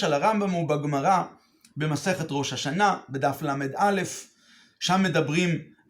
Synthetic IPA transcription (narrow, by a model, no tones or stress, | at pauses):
elaʁambamubaɡmaʁa | be̞mase̞χet̪ʁo̞ʃhaʃanabedaflamed̪ale̞f | ʃamːe̞dabʁim